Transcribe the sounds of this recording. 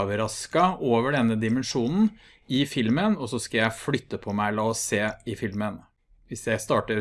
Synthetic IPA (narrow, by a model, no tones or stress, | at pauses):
ʋəɾɑskɑoːʋəɖɛnːəd̪ɪmɛnʂuːnn̩ | ɪfɪlmənɔsɔskɑjæɪflʏt̪ːəpʰɔmæɪlɑːɔseːɪfɪlmən | ʋɪsjæɪst̪ɑːʈəɾ